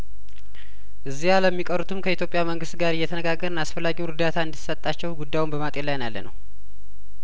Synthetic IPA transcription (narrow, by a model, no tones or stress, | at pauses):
ʔɨzːialəmːikʼəɾut̪ʰɨmkʰəit̪jo̞pʼjaməŋɡɨst̪ɡaɾɨjːɛt̪ʰənəɡaɡːəɾənasfəlːaɡiwnɾɨd̪at̪ʰaɨnd̪it̪sət̪ʼːat͡ʃːɛwɡud̪ːajwumbəmat̪ʼelajnalːə̰nə̰w